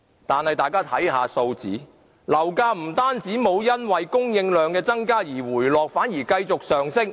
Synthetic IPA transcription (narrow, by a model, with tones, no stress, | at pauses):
t̪aː˨nhɐ˨jt̪aː˨jkaː˥t̪ʰɐ˨˥jɦaː˧so˧wt͡sḭː˨˥ | lɐ˨˩wkaː˧˥m̩˨˩t̪aː˥nt͡siː˨˥mo˨˧wjɐ˥nwɐ˨jkʊ˥ŋjɪ˧ŋlœː˨˧ŋkɛː˧t͡sɐ˥ŋkaː˥jiː˨˩wuː˨˩jlɔː˨k̚faː˨˥njiː˨˩kɐ˧jt͡sʊ˨k̚sœː˨˩ŋsɪ˥k̚